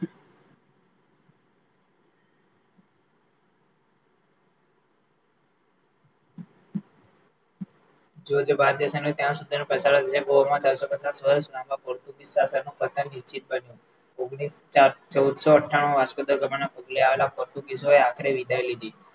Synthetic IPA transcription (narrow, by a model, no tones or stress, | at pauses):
d͡ʒod͡ʒbaɾd̪jəsenot̪jãsud̪ʱinepəsaɭəd̪ilẽbomãt͡ʃaɾsɔpət͡ʃasʋəɾesud̪ʱãbapɔɾt̪ũkisasanũkət̪ʰənːiʃt͡ʃit̪̚bənjũ | oɡɽist͡ʃaɾt͡ʃəwd̪sɔəʈʰːaɽ̃uaspəd̪əɾɡəbanapəɡleaʋelapɔɾt̪ũkis̬oeakʰəɾeʋid̪ʱajlid̪iː